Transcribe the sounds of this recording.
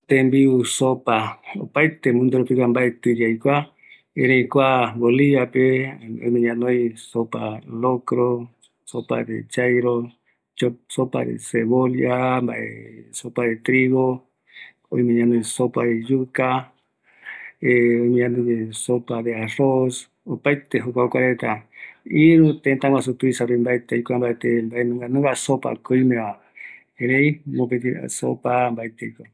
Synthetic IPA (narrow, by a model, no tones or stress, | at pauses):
t̪embiusopao̰paet̪emũnd̪oɾopikambaet̪ɨɾaikʷa | eɾẽikʷaboliβapeo̰jmẽɲãnoisopalokɾo | sopa̰ɾḛt͡ʃajɾo | t͡ʃosopa̰ɾḛseβoljambaḛsopaɾet̪ɾiɣo | oimẽɲanũsopaðejuka | eoɲanɨ̃ɲesopaðearos | opajt̪eɦukʷakʷaɾet̪aiɾut̪ent̪aŋas̬ut̪uisaɾoimbait̪eikʷambajt̪embaenɨ̃ŋɡanɨ̃ŋɡasopa̰koimẽa | eɾẽjmopet̪ia̰so̰pambait̪eikʷa